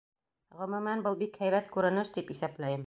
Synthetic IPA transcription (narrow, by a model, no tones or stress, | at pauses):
ʁɵ̆mɘ̆mænbɤlˠbikhæjβæt̪kʉɾɘ̆nɘʃt̪ipiθæplæjɘm